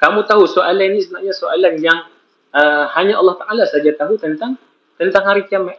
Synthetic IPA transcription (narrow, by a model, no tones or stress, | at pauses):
kamut̪aɦusoalaninist̪naʔɲasoʔalanjaŋ | ʔəhaɲaʔɑ̰lːɑht̪aʔalasad͡ʒat̪aɦut̪ənt̪aŋ | t̪ənt̪aŋhaɾikiamaʔ